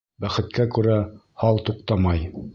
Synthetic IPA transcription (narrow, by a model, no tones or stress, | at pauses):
bæχɘ̆t̪kækʉɾæ | hɑlˠt̪uqt̪ɑmɑj